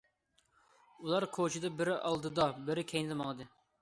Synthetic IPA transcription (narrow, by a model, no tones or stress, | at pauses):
ulˠɑɾkʰot͡ʃʰid̪ɨbɪɾɪʔɑ̰lˠd̪ɨd̪ɑbɪɾɪkʲʰɛjnɪd̪ɨmɑlˠɨd̪ɨ